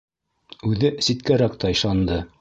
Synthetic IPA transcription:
ʉðɘsit̪kæɾækt̪ʰɑjʃɑnd̪ɤ

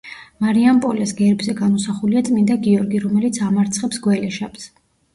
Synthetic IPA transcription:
maɾiampʼɔlɛsɡɛɾbzɛɡanɔsaχuliat̪sʼmind̪aɡiɔɾɡiɾɔmɛlit̪sʰamaɾt̪sʰχɛpsɡwɛlɛʃaps

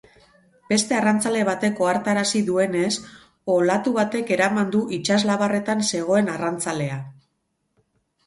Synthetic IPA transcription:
b̥e̞st̪e̞arant͡sale̞βat̪e̞ko̞aɾt̪aɾasiðue̞ne̞s | o̞lat̪uβat̪e̞ke̞ɾamand̪uʔit͡ʃazlaβare̞t̪anse̞ɣ̞o̞e̞narant͡sale̞a

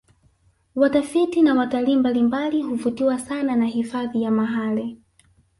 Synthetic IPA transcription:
watafitinawataliːmbalimbaliɦuvutiwasananahifaðijamaɦali

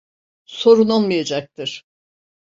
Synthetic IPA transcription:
so̞ɾunolˠmajad͡ʒak̚t̪ʰɯɾ̥

